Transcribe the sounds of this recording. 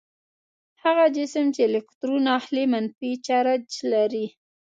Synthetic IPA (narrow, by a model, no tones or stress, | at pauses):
haɣad͡ʒɪsəmt͡ʃelɪkt̪ɾunɑhlemanfit͡ʃaɾad͡ʒlaɾi